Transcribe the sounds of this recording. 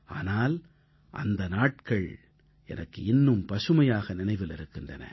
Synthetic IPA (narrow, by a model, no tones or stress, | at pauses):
a̰ːnaːl | ʔɐ̰nd̪ɐnaːʈkɐɭ | ɛ̰nɐkːɯɪnːɯmpɐʂɯmɐjaːɣɐnɪnɐɪʋɪlɪɾɯkːɪndrɐnɐ̰